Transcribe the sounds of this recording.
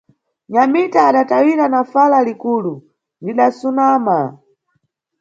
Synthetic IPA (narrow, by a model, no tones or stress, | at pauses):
ɲamitaːɗatawiɾanafalalikulu | ndiɗasunama